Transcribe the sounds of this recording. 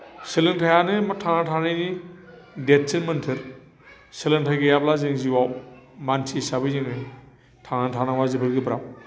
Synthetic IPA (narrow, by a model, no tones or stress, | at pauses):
selɯntʰajanɯmatʰanatʰanɯjni | det̚t͡ʃinmɯntʰɯɾ | selɯntʰajɡɯjablazɯŋziwawmantʰisabɯzɯŋnɯ | tʰanantʰanaŋwazɯbɯɾɡɯbɾaw